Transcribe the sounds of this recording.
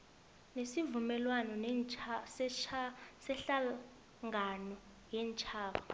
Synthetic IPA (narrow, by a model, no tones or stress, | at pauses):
nesivumɛlwanɔnɛ | sɛɬa | ŋɡʱanɔ | jɛːnt͡ʃʼʰaːɓa